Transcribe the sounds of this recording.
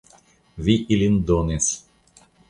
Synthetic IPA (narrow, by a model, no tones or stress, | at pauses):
viʔilʲind̪ones